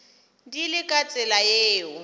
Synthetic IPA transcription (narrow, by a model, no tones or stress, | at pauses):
dilɪkʼat͡sʼɛlajeːʊ